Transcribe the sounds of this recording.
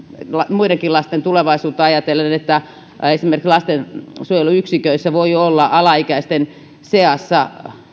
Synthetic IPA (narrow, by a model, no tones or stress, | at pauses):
lɑmuideŋkilɑst̪ent̪uleʋɑisuːt̪ːɑɑjɑt̪elːeenet̪ːæ | esimerkislɑst̪ensuojeluyksikøisːæʋoiolːɑʔɑlɑikæist̪en | seɑsːɑ